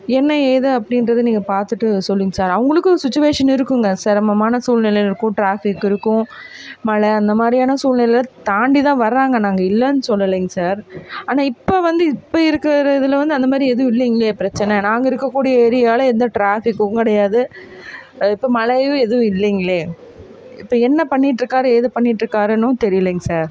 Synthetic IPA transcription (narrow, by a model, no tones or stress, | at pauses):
ɛnːɐeːðɐɐpːɐɽɪnɾɐðɯniːŋɡɐpaːɾt̪ɯʈːɯsɔlːɪːŋɡɐsaːɾɐʋɐŋɡɐɭɯkːɯsɪt͡ʃːʊʋeːʂɐnɪɾɯkːɯŋɡɐsaːɾɐmɐmaːnɐsuːlnɪlɐlɪɾɯkːʊ̃ʈɾaːfɪkːɪɾɯkːʊ̃mɐɭɐɐnd̪ɐmaːd̪ɾijaːnɐsuːlnɪlɐlɐt̪aːɳɖit̪ãːʋɐɾɐaːŋɡɐnaːŋɡɐɪlːɐnːɯsɔlːɐleːŋɡɐsaːɾaːnaːɪpːoʋɐnd̪ɯɪpːoɪɾɯkːɐɾɐðɪlʋɐnd̪ɯɐnd̪ɐmaːd̪ɾiɛðɯʋʊ̃ɪlːiːŋɡɐɭeːpɪɾɐt͡ʃːɐnɛnãːŋɡɐɪɾɯkːɐkːuːɽɪjɐɛɾɪjaːlɛnd̪ɐʈɾaːfɪkːɯkɪɽɐjaːðɯ | ɪpːomɐlɐjʋɯ̃ɛðɯʋʊ̃ɪlːiːŋɡɐɭeː | ɪpːɐɛnːɐpɐɳːɪʈːɾɯkːaːɾɯeːðɯpɐɳːɪʈːɾɯkːaːɾɐnːʊ̃t̪ɛɾɪjɐleːŋɡɐsaːɾ